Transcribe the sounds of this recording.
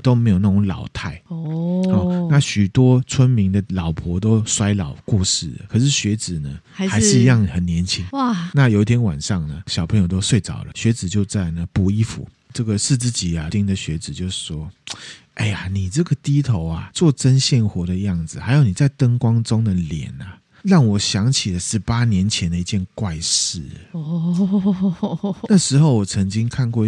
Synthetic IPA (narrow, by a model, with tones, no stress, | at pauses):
t̪o˥ʊme˧˥jo˨˩na˥˩ʈ͡ʂʊ˧˦ŋlɑ̰˨˩ʊt̪ʰa˥˩ɪhɔ˥˨˩a˥˨ɕy˨˩t̪wɔ˥t͡sʰwə˥nmi˧˥ŋd̪ə˨lɑ˨˩ʊpʰɔ˧˥t̪o˥ʊswa˥ɪlɑ˨˩ʊkwɔ˥˧ʂɻ̩˥˩lə̰˩kʰɤ˨˩ʂ̬ɻ̩˥˩ɕɥɛ˧˥t͡sɹ̩˨˩nə˩˧xa˧˥ɪʂɻ̩˥˧i˧jɑ˥˩ŋ˨˩xə˨˩nnjɛ˧˦˥nt͡ɕʰi˥ŋna˥˨jo˨˧ʊi˥t̪ʰjɛ˥nwa̰˨˩nʂɑ˥˩ŋnə˩ɕjɑ˨˩ʊpʰə˧˦ŋjo˨˩ʊt̪o˥ʊswe˥˩ɪt͡sɑ̰˨˩ʊlə̰˩ɕɥɛ˧˥t͡sɹ̩˨˩t͡ɕjo˥˧ʊt͡sa˥˩ɪnə˩pu˨˧˦i˥fṵ˧˦ | ʈ͡ʂɤ˥˩ɡə˨ʂ̩˥˧t͡sɹ̩˥˩t͡ɕi˨˩a˨t̪i˥˩ŋd̪ə˨ɕɥɛ˧˥t͡sɹ̩˨˩t͡ɕjo˥˧ʊʂ̩˥˩ʂwɔ˦ | ʔe˥˩ɪa˨˩ni˨˩ʈ͡ʂɤ˥˩ɡə˩t̪i˥t̪ʰo˧˥ʊa˨t͡swɔ˥˩ʈ͡ʂə˦˥nɕjɛ˥˩nxwɔ˧˥d̪ə˧jɑ˥˩ŋd͡zɹ̩˨˩xa˧˥ɪjo˨˧ʊni˨˩t͡sa˥˩ɪt̪ə˥ŋkwɑ˥ŋʈ͡ʂʊ˥ŋd̪ə˨ljɛ̰˨˩˦na˨ | ɻɑ˥˩ŋwɔ˨˩ɕjɑ˧˥ŋt͡ɕʰi˨˩lə˦ʂɻ̩˧˥pa˥njɛ˧˥nt͡ɕʰjɛ˧˥nd̪ə˨i˧t͡ɕjɛ˥˧nkwa˥˧ɪʂɻ̩˥˩ | na˥˩ʂɻ̩˧˥xo˥˩ʊwɔ˨˩t͡sʰə˧˥ŋt͡ɕi˥ŋkʰa˥˧nkwɔ˥˧